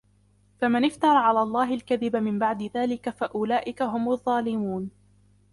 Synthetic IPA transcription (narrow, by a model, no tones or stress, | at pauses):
famɪnɪft̪ɑɾˤɑʕalaːlˤːɑːɦɪlkaðɪbamɪmbaʕd̪ɪðaːlɪkafaʔʊlaːʔɪkaɦʊmʊðˤːɑːlɪmuːn